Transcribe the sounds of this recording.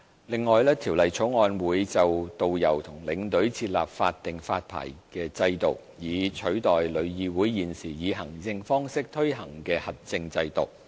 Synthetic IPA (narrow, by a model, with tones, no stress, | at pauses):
lɪ˨ŋːɔː˨jlɛː˥t̪ʰiː˨˩wlɐ˨˩jt͡ʃʰʊ˨˥wŋɔː˨˧nwuː˨˥jt͡sɐ˨wt̪o˨wjɐ˨˩wt̪ʰʊ˨˩ŋlɪ˨˧ŋt̪ɵ˨˥ɥt͡sʰiː˧t̚la̰ː˨p̚fa̰ː˧t̚t̪ɪ˨ŋfaː˧t̚pʰa̰ː˨˩jkɛː˧t͡sɐ˧jt̪o˨˩w | jiː˨˧t͡ʃʰɵ˨˥ɥt̪ɔː˨jlɵ˨˧ɥjiː˨˧wuː˨˥jːiː˨˩nsiː˨˩jiː˨˧ɦɐ˨˩ŋt͡sɪ˧ŋfɔː˥ŋsɪ˥k̚t̪ʰɵ˥ɥɦɐ˨˩ŋkɛː˧hɐ˨t̚t͡sɪ˧ŋt͡sɐ˧jt̪ʊ̰˨˩w̚